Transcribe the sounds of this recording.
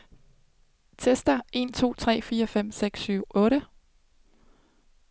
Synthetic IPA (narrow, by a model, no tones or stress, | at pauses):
t͡sʰesd̥ɐe̝nt͡sʰo̝̰ːt͡sʰʁɛ̰ːfiːɐfem̰seɡ̥syʊ̰ʔɔ̽ːɾə